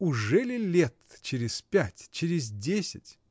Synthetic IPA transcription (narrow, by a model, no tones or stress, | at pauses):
ʊʐɛlʲɪlʲet̪t͡ɕɪɾʲɪspʲætʲt͡ɕɪɾʲɪzʲdʲesʲɪtʲ